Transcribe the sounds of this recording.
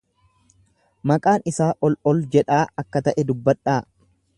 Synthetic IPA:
mɐkʼaːnɪsaːʔɔlɔld͡ʒɛᶑaːɐkːɐt̪ɐʔɛd̪ʊbːɐᶑːaː

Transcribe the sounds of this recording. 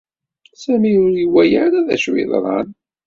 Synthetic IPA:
sæmiʊɾjəwːæjəɾaðæ̰ʃwḭðˤɾˤɑ̰n

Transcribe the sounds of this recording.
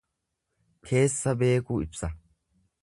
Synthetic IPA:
kʰe̞ːsːɐbe̞ːkuɪpsɐ

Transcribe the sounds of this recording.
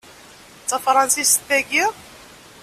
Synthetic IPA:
t͡sːɑfɾˤɑnsist̪ːæɡi

